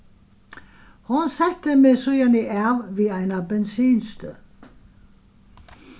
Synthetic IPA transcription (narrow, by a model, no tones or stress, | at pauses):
hʊnsæt̪əmesujɑniʔæʋʋiːæɪnɑbɛnsiːnst̪ø